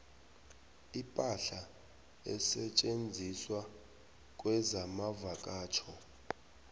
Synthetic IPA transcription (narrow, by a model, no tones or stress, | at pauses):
ipʼaɬa | ɛsɛt͡ʃʼend͡zʱiswa | k̬ʼwɛzamavakʼaːt͡ʃʰɔ